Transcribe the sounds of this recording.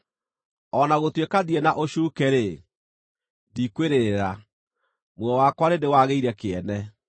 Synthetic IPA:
ɔnaɣotwekaðiɛnaʔoɕuːkeɾe | dikweɾeɾa | mwɔwakwaɾendewaɣeiɾɛkeɛnɛ

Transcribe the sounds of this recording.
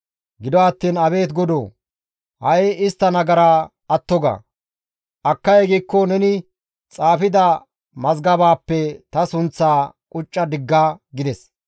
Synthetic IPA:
ɡɪd̪ɔɐt̪ːiːnɐβe̞ːt̪ɡɔd̪oː | hɐjɪst̪ːɐnɐɡɐɾa | ɐt̪ːɔɡɐ̰ | ʔɐkːɐjɛɡiːkːɔnɛnɪ | t͡sʼaːfɪd̪ɐ | mɐzɡɐbaːpːɛt̪ɐsʊnt͡sːaːkʼʊt͡ʃʼːɐd̪ɪɡːaːɡɪd̪ɛs

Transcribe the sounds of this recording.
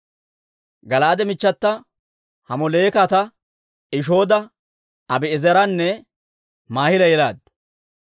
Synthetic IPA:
ɡɐlaːd̪ɛmɪt͡ʃːɐt̪ːɐ | hɐmɔle̞ːkat̪ɐ | ɪʃ̬o̞ːd̪ɐ | ɐbɛɛzɐɾɐnːɛ | maːhɪlɐjɛlaːd̪

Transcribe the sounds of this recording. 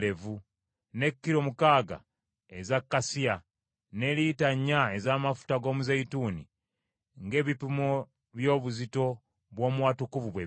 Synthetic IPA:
le̞vu | ne̞kːiɾo̞mukaːɡa̰ | ezakːasia | ne̞liːtaɲːae̞zaːmafu̥taɡo̞ːmuzeituːnḭ | ŋɡe̞ːβipumo | βjo̞ːβuzito̞ | βwo̞ːmuwaːtukuvuβwe

